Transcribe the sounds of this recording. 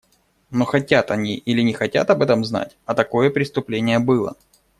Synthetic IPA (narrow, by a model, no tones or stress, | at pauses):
no̞xɐtʲat̪ɐnʲiʔilʲɪnʲɪxɐtʲa̰t̪ɐbɛt̪əmzna̰tʲɐt̪ɐko̞jəpɾʲɪst̪ʊplʲenʲɪjəbɨlˠə̰